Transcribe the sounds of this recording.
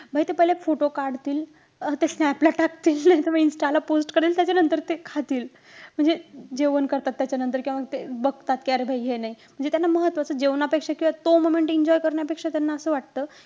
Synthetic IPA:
bʱajt̪epəɦilefoʈokaɾɖt̪iːl | t̪esnɛplaʈak̚t̪iːlnajt̪eʋainsʈalaposʈkəɾiːlt̪jat͡ɕanənt̪əɾt̪ekʰat̪iːl | m̤əɳd͡zed͡ʑeʋənkəɾt̪at̪ːjat͡ɕanənt̪əɾkʲĩãaɡ̚t̪ebəɡt̪at̪kaɾbʱajɦenaɦim̤əɳd͡zet̪janːaməɦət̪ʋat͡səd͡ʑeʋnapekʂakĩʋat̪omomeɳʈiɲd͡ʑɔjkəɾɳjapekʂat̪janːaəsəːʋaʈ̚t̪əː

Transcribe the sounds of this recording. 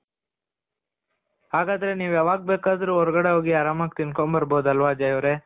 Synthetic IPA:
ɦaːɡaːd̪ɐɾeniːʋɐʋaːɡ̚beːkaːd̪ɾuɦɔɾɐɡɐɽeɦoːɡiaːɾaːmak̚t̪inkombɐɾboːd̪ɐlʋad͡ʒɐjoɾe

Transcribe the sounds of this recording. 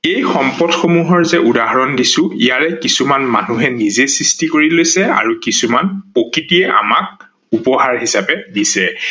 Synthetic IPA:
ejxɔmpɔtxomuɦɔɹzɛʔudaɦaɹɔndisʊ̃ḭjaɹɛkisumanma̰nuɦɛnizesɹistikoɹilojsɛa̰ɹukisumanpokitiɛʔa̰mak̚ | upɔɦaɹɦisapɛdisɛ

